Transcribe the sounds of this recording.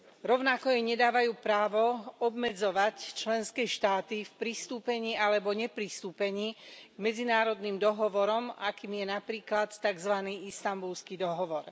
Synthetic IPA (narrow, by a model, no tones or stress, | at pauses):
ɾɔʊnakɔjɛɲɛd̪aːʋajuːpɾaːʋɔɔbmɛd͡zɔʋact͡ʃlɛnskɛːʃt̪aːt̪ifpɾist̪uːpɛɲiːalɛbɔɲɛpɾist̪uːpɛɲiːɡ̥mɛd͡zinaːɾɔd̪nimd̪ɔɦɔʋɔɾɔmakiːmjɛnapɾiːklat̪ːaɡzʋaniːist̪ambulskid̪ɔɦɔʋɔɾ